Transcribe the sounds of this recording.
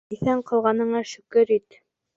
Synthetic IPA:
iθæɴqɤ̆lˠʁɑnɤ̆ɴɑʃʉ̆kɘɾit̪

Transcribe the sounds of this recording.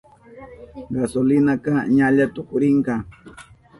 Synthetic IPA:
ɢasolɪnakɑɲaʎat̪ʊkʊɾɪɴkɑ

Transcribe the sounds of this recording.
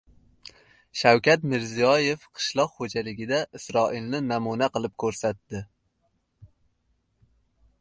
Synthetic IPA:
ʃawkʲat̪mɪɾzijɒje̞fqʰɨ̥ʃlˠɒqχod͡ʒalɪɡʲɪd̪aʔɪsɾɒʔɪlnɪnamunaqʰɨlˠɪp̚kʰɵɾsat̪ːɪ

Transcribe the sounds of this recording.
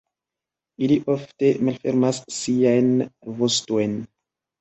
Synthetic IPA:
iliʔofte̞malfeɾmasːiajnvostojn

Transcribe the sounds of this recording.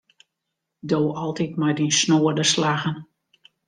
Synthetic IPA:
doːɔlˠtitmajdinsnoːədəslaɣən

